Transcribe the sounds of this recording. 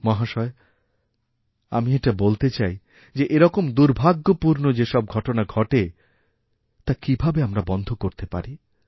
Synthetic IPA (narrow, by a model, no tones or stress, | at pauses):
mɔɦaʃɔe | a̰mieʈabolt̪et͡ɕaj | d͡ʑeʔeɾɔkomd̪uɾbʱaɡːopuɾnod͡ʑeʃɔb̚ɡʱɔʈonaɡʱɔʈe | t̪akibʱabeamɾabɔnd̪ʱokoɾt̪epa̰ɾi